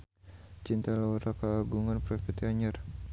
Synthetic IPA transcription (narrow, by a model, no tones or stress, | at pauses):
t͡ʃint̪alaaɾakaːɡuŋanpɾɛfɛt̪iaɲər